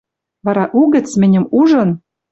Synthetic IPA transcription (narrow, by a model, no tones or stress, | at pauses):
βɑɾɑʔuɣɘ̆t͡smɘ̆nʲɘ̆muʒɤ̆n